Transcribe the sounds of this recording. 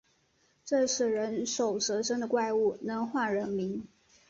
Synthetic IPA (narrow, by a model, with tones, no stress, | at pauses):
ʈ͡ʂɤ˥˧ʂɻ̩˥˩ɻə˧˥nʂo˨˩ʊʈ͡ʂɤ˧˥ʂə˥ŋd̪ə˨kwa˥˧ɪu˥˩nə˧˥nxwa˥˩ɻə˧˥nmi˧˥ŋ